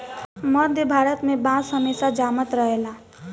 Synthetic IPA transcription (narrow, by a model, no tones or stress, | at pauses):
mʌd̪ʱjəbʱaɾət̪mebãsɦəmesad͡ʒamət̪ɾəɦela